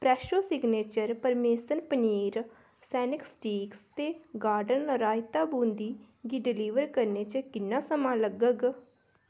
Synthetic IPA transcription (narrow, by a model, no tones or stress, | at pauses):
pɾɛːʃoːsɪɡneːt͡ʃəɾpəɾmeːsənpəniːɾ | sɛːnɪksʈiːkst̪eːɡaːɾɖənɾaːɪt̪aːbũːnd̪iː | ɡiɖɪliːʋəɾkəɾneːt͡ʃkɪnːãːsəmãːləɡəɡ